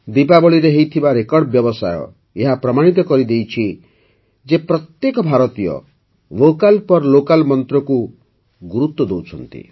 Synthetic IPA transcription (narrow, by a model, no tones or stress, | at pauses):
d̪ipabɔɭiɾeɦejt̪ʰibaɾekɔɾɽbjɔbɔsajɔ̰ | eɦapɾɔmaɽ̃it̪̬ɔkɔɾid̪ejt͡ʃʰi | d͡ʒepɾɔt̪jekɔbʱaɾɔt̪ijɔ̰ | lokalpɔɾlokalmɔnt̪ɾɔku | ɡuɾut̪ːɔd̪owt͡ʃʰɔ̰nt̪ḭ